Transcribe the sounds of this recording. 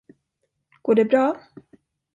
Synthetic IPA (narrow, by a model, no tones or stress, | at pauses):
ɡ̥oːɖɛbɾɑː